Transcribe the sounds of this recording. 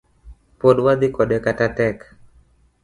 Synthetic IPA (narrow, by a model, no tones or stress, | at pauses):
poɗwad̪ikɔɗɛkatatɛk